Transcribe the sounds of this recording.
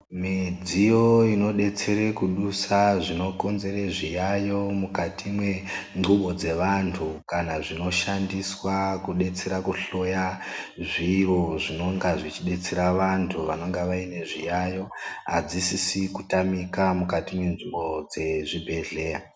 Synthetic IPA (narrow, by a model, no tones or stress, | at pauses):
mid͡zijo̞ino̞ɗe̞t͡se̞ɾe̞kuɗusaʐino̞ko̞nze̞reʐijajo̞mukatimwe̞ŋɡʱuɓo̞d͡ze̞ʋantʰukanaʐino̞ʃandiswakuɗe̞t͡se̞ɾakuɬo̞jaʐiʋo̞ʐino̞ŋɡaʐit͡ʃiɗe̞t͡se̞ɾaʋantʰuʋano̞ŋɡeʋaine̞ʐijajo̞ɦad͡zisisikutamikamukatimwe̞nʐimbo̞d͡ze̞ʐibʱe̞ɮe̞ːja